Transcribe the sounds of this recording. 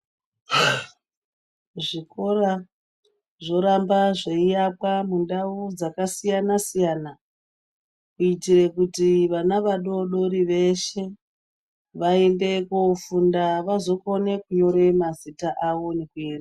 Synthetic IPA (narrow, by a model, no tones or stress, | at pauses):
ʐiko̞ra | ʐo̞ɾambaʐeijapwamundaud͡zakasijanasijaːna | kuitire̞kutiʋanaʋaɗo̞ɗo̞ɾiʋe̞ʃe̞ | ʋaende̞kofundaʋazo̞ko̞ne̞kuɲo̞ɾe̞mazitaʔaʋo̞ne̞kuera